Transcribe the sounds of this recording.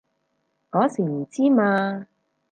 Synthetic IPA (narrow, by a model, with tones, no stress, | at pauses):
ŋɔː˨˥siː˨˩m̩˨˩t͡siː˥maː˧